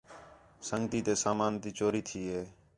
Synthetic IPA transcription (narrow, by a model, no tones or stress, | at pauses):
səŋɡt̪iːt̪eːsaːmaːnt̪iːt͡ʃoːɾiːt̪ʰiːɦeː